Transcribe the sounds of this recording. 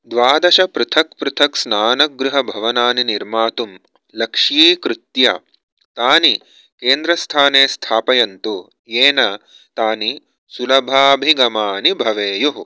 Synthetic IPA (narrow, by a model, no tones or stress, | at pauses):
d̪ʋaːd̪ɐʃɐpɾut̪ʰɐk̚pɾut̪ʰɐksnaːnɐɡɾuɦɐbʱɐʋɐnaːniniɾmaːt̪um | lɐkʂiːkɾut̪jɐ̰ | t̪aːni | keːnd̪ɾɐst̪ʰaːneːst̪ʰaːpɐjɐnt̪u | jeːnɐ | t̪aːni | sulɐbʱaːbʱiɡɐmaːnibʱɐʋeːjuɦ